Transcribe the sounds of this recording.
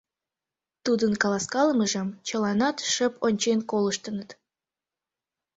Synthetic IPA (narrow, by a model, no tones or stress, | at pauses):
t̪ud̪ənkɑlɑskɑləməʒəmt͡ɕəlɑnɑt̪ʃəpʰonʲt͡ɕenkoləʃt̪ənət̪